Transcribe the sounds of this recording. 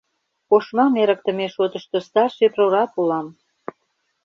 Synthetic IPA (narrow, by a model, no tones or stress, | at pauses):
koʃmɑmeɾək̚t̪ə̆meʃot̪ə̆ʃt̪ost̪ɑrʃeproɾɑpulɑm